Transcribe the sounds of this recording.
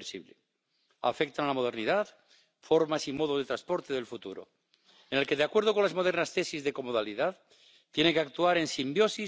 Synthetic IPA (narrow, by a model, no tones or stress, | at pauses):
sḭβle | a̰fek̚t̪analamo̞ð̞e̞ɾniðað | fo̞ɾmasimo̞ð̞oðe̞t̪ɾaspo̞ɾt̪eðelfut̪uɾo̰ | enelke̞ðeakweɾð̞oko̞nlazmo̞ð̞e̞ɾnast̪e̞sizðe̞ko̞moðaliðað | t̪jeneŋkeak̚t̪uaɾe̞nsimbjo̞si